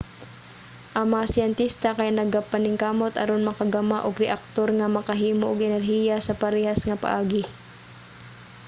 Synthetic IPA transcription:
ʔɐŋmɐŋasɪɛnt̪ist̪akɐjanɐɡapanɪŋkaːmot̪ʔɐ̰ɾonmɐkaɡamaʔʊɡɾɛʔak̚t̪oɾŋamɐkaɦiːmoʔʊɡʔɛnɛɾɦiːjasɐpaɾɛːhasŋɐpa̰ʔaːɡɪ

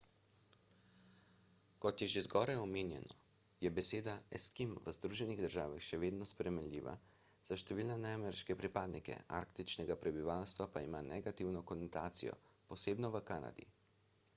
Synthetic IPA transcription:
kɔt̪jɛʒezɡɔːɾajɔmeːnjɛ̰nɔ | jɛbɛseːd̪aɛskimʋəzd̪ɾuʒɛniɣd̪əɾʒaːʋaxʃɛʋeːd̪nɔspɾɛmɛnlʲḭːʋa̰ | z̥aʃt̪ɛʋiːlnɛnajmɛɾʃkɛpɾipaːd̪nikɛ̰a̰ɾkt̪it͡ʃnɛɡapɾɛbiʋalst̪ʋapaimaːnɛɡat̪iwnɔkɔnɔt̪aːt̪sḭjɔ̰pɔseːbnɔʋəkaːna̰d̪ḭ

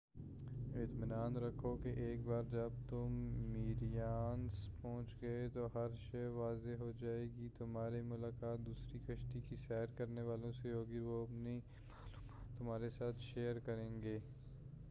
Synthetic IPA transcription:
ɪt̪mɪnaːnɾɐkʰokeʔeːkbaːɾd͡ʒɐb̚t̪ʊmːiːɾijaːnspɔ̃ːʊ̃t͡ʃɡɐet̪oɦɐɾʃɐɦʋaːzeɦod͡ʒaːeːɡit̪ʊmɦaːɾimʊlaːkaːt̪̚d̪uːsɾikɐʃʈikisɛːɾkɐɾneʋaːlõseɦoːɡiʋoɐpni | t̪ʊmɦaːɾesaːt̪ʰʃeːəɾkɐɾẽːŋɡeː

